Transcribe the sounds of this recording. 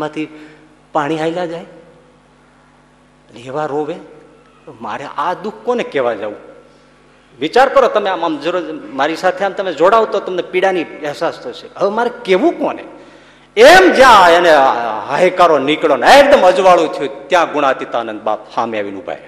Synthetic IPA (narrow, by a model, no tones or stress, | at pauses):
mãt̪ʰi | paɽ̃iailad͡ʒaj | neʋaɾoʋe | ma̰ɾeʔad̪ukʰkonekeʋad͡ʒaʋṵ̃ | ʋit͡ʃaɾkəɾot̪əmeamamd͡ʒəɾomaɾisat̪ʰeamt̪əmed͡ʒoɽaʋt̪ot̪əmnepiɽaniɛɦsast̪ʰot͡ʃʰeəʋemaɾekeʋũkonḛ | emd͡ʒjãeneɦaɦekaɾonikɭonek̚d̪əməd͡ʒʋaɭũt̪ʰjũt̪jãɡʊɽ̃at̪it̪aːnə̃nd̪̚ba̰ːpsamaʋinũbʱa̰j